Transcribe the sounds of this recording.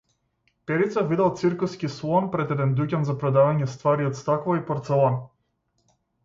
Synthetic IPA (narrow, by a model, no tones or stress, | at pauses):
pɛɾit̪savid̪ɛlˠt̪siɾkuskislˠɔnpɾɛd̪ɛd̪ɛnd̪ucʲanzapɾɔd̪avaɲɛst̪vaɾiɔt̪st̪aklaipɔɾt̪sɛlˠɔn